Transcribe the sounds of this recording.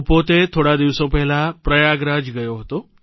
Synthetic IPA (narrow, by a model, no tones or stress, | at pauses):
pot̪et̪ʰoɽad̪iʋsopəɦilapɾəjaɡɾad͡ʑɡəjoɦot̪o